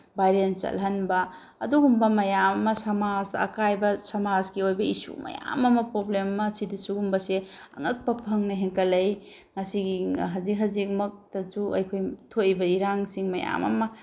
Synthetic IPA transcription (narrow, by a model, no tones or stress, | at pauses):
bajɾent͡ʃɐ̰lɦɐnbɐː | duɡumbɐmɐjamɐmɐsɐmad͡ʒdɐːkajbɐsɐmad͡ʒɡiojbɐisṵmɐ̰ja̰mɐmɐpɾoblemmɐsidisuɡumbɐseɐ̰ŋɐk̚pɐpʰɐŋnɐɦeŋkɐlɐj | ŋɐsiɡiɦɐzik̚ɦɐzik̚mɐk̚tɐsuɐ̰jkʰojtʰojbɐiɾaŋsiŋmɐja̰mɐ̰mɐ